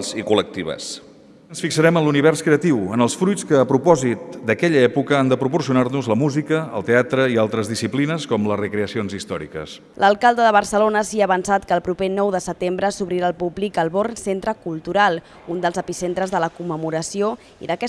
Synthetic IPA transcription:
zikulək̚t̪iβə̰s | ənsfiksəɾɛmənluniβ̞ɛrskɾeət̪iwənəlˠsfɾujt͡skəːpɾupɔzit̪̚d̪əkɛʎəɛpukəand̪əpɾupursiunarnuzləmuzikəə̰lˠt̪eat̪ɾəialˠt̪ɾəzðisiplinəskɔmləzrəkɾeəsionzist̪ɔɾḭkə̰s | lʔəlˠkalˠd̪əðəβərsəlonəsiəːβənsat̪kəːlˠpɾupenɔwðəsət̪embɾəsuβɾiɾaːlˠpublikəlˠβornsent̪ɾəkulˠt̪uɾalˠ | und̪əlˠzəpisent̪ɾəzðələkumːəmuɾəsio | ḭðəkɛ

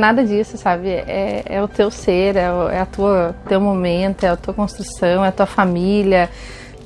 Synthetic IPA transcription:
nad̪ɐd͡ʒisʊsabɪʔɛɛ̰ʊt̪ewseɾɛʊɛ̰ɐt̪uɐt̪ewmomẽnt̪ʊɛat̪uɐkõst̪ɾusɐ̃w̃ɛɐt̪uɐfamilʲɐ

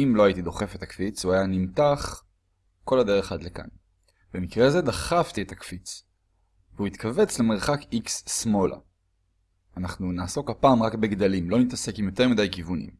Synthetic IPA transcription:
imlo̞aitid̪o̞χe̞fet̪akfit͡suajanimtaχ | ko̞lad̪eʁeχadleka̰n | b̥e̞mikʁe̞ze̞d̪aχaft̪iet̪akfit͡s | veuit̪kave̞t͡sle̞meʁ̞χakiksːmo̞lʔa̰ | anaχnunaːso̞kapaːmʁakbe̞ɡd̪alimlo̞nit̪ase̞kimjo̞t̪e̞ʁmid̪ajkivunḭm

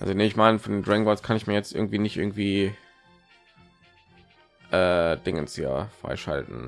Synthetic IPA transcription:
ʔa̰lzoneɪçmaɪnəfɔndeːndʁɛŋvɔskʰanɪçmiːɐjɛt͡stʔɪɐɡŋ̩tv̥iːnɪçtʔɪ̰ɐɡŋ̩tv̥iː | ʔɛːd̥ɪŋə̰nsja̰ːfʁ̥a̰ɪʃa̰ltn̩

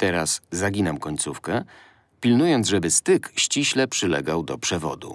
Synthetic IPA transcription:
t̪ɛɾaszaɡʲinamkɔɲt̪sufkɛ | pʲilnujɔnd̪zʐɛbɘst̪ɘkɕt͡ɕiɕlɛpʂɘlɛ̰ɡawd̪ɔpʂɛvɔ̰d̪ṵ

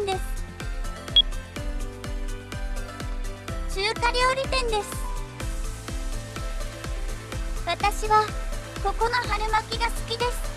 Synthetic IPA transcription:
nd̪e̞sɨ̥ | t͡ɕɨːkaɾʲo̞ːɾʲit̪ẽ̞nd̪e̞sɨ̥ | βat̪aɕiβako̞ko̞no̞ɦaɾɯmakʲiɡasɨ̥kʲid̪e̞sɨ̥

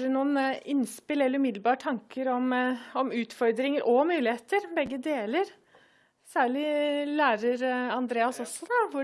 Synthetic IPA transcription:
ɖənuːənɪnspɪlɛlːəɾʉmɪd̪lbɑːʈʰɑŋkəɾɔmɔmʉːt̪fɔɾd̪ɾɪŋəɾʔɔmʉːlɪheːt̪əɾbɛɡːəd̪eːləɾ | sæːɭɪlæːɾəɾɑnd̪ɾeːɑsɔsɔʋʊ

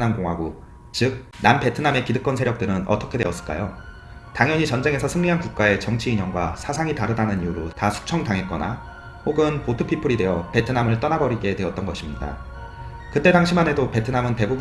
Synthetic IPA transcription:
nankoŋɦaɡo | t͡ɕɯk̚nampe̞tʰɯname̞kidɯk͈ʌnsʰeɾjʌk̚t͈ɯɾɯnʔʌ̰t͈ʌkʰe̞dwe̞ʌs͈ɯɭk͈a̰jo | taŋjʌɲit͡ɕʌnd͡ʑe̞ŋesʰʌsʰɯŋɲiɦankuk̚k͈ae̞t͡ɕʌŋt͡ɕʰiiɲʌŋɡwasʰasʰaŋitaɾɯdanɯnijuɾotasʰu̥k̚t͡ɕʰʌŋtaŋɦet̚k͈ʌna̰ | hoɡɯnpotʰɯpʰipʰɯɾidwe̞ʌpe̞tʰɯnamɯɭt͈ʌnabʌɾiɡe̞twe̞ʌt̚t͈ʌnɡʌɕʰimɲida̰ | kɯt͈e̞daŋɕʰimɦane̞dope̞tʰɯnamɯnte̞bub

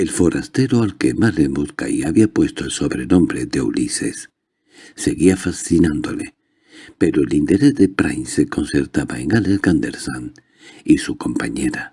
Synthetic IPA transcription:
elfo̞ɾast̪e̞ɾoalkemalemuðka̰iaβiapwe̞st̪oelso̞βɾenõ̞mbɾeðeṵlisḛsː | e̞ɣiafasθinãnd̪ole | peɾoelint̪eɾezðepɾa̰jnseko̞nseɾt̪aβaeŋaleskand̪eɾsan | isuko̞mpaɲeɾa

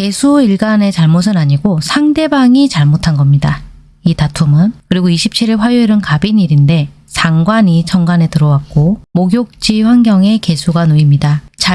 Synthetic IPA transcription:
ke̞sʰuiɭɡane̞t͡ɕaɭmos̬ʰɯnaɲiɡosʰaŋde̞baŋit͡ɕaɭmotʰanɡʌmɲida | itatʰumɯnkɯɾiɡoiɕʰip̚t͡ɕʰiɾiɭɸwajueɾɯnkabiniɾinde̞ | sʰaŋɡwaɲit͡ɕʰʌŋɡane̞tɯɾʌwak̚k͈omoɡjok̚t͡ɕ͈iɸwaŋɡjʌŋe̞ke̞sʰuɡanoimɲidat͡ɕa

